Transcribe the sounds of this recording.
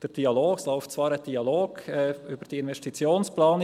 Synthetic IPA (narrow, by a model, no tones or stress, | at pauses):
d̥ɛːd̥iɑloːkslaʊft͡sv̥ɑːɾɛd̥iɑloːɡ̥ɛʔyːbəd̥iɪnvɛstit͡sjoːnsplaːn